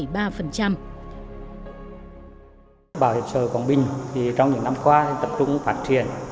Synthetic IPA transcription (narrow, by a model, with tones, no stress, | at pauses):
jɓaː˧fə˨˩nt͡ɕa˧m | ɓaː˧˩whi˨˩p̚səː˧˩kɔ˨˩nɓï˨˩ŋ̟t̪ʰi˨˩t͡ɕɔ˧wŋ͡mɲɨ̰˧˥ŋna˧mkwaː˧˨˩t̪ə˨˩p̚t͡ɕʊ̰˧˥ŋ͡mfaː˦˥t̚t͡ɕi˧˩˨ən